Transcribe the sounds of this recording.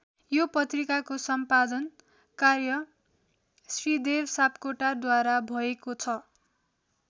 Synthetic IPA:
jopʌt̪rikakosʌmpad̪ʌn | karjʌ | srid̪ebsapkoʈard̪waɾabʱʌekot͡sʰʌ

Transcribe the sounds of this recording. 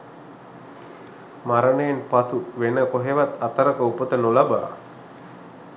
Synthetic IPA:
maɾənəjenpasuʋenəkoɦeʋat̪at̪əɾəkəupət̪ənulaba̰ː

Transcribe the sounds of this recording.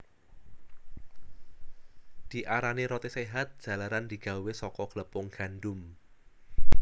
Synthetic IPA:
d̪̥i̤ʔaɾaneɾɔt̪eseɦat̪̚d̥ʒ̥ä̤laɾand̪̥i̤ɡ̥a̤wesɔkɔɡ̥ləpʊŋɡ̥a̤ndʊm

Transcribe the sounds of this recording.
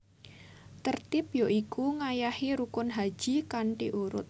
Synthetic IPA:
t̪ərt̪ɪp̚joʔikuŋajaheɾukʊnɦḁʒ̥i̤kaɳʈiʔuɾʊ̰t̪̚

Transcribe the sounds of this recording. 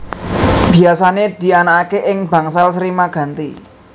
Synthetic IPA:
b̥i̤asaned̪̥i̤anaakeʔɪŋbä̤ŋsalsɾimaɡ̥a̤nt̪i

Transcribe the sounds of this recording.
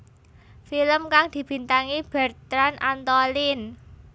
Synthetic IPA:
filəmkaŋd̪̥i̤b̥i̤nt̪aŋib̥ɛrt̪ɾanʔant̪ɔlin

